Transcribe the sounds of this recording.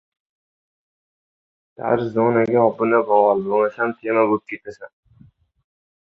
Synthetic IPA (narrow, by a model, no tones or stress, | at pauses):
d̪̥a̰ɾzonaɡʲaɒbʊnabɒwalboŋasamt̪ʰemabop̚kʲʰet̪ʰasan